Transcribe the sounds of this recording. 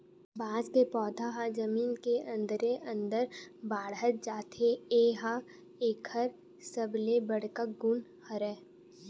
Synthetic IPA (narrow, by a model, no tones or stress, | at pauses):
baːzkepɔːd̪ʱaɦad͡ʒɐmiːnkeɐ̃nd̪ɾeʔə̃nd̪əɾbaːɽɦət̪̚d͡ʒaːt̪eeːɦa | eːkʰəɾ | səblebəɽ̤kəɡʊn | həɾɛː